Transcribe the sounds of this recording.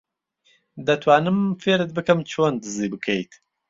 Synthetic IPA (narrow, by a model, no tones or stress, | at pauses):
d̪ɐt̪ʰwaːnɨmfeːɾɨt̪̚bɨkʰɐmt͡ʃʰoːnd̪ɨziːbɨkʰejt̪ʰ